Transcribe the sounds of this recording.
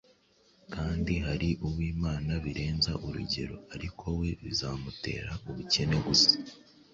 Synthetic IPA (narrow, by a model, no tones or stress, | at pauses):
kaːndiɦaɾiʔuwiːmaːnaβiɾe̞ːnzaʔuɾṵɟe̞̰ɾo̞̰aɾikʰo̞we̞βizaːmute̞̰ːɾauβuce̞ne̞ɡusḁ